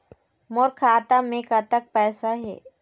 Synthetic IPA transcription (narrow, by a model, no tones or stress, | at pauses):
moːɾkʰaːt̪amẽkat̪ək̚pɛːsaɦɛ̰ː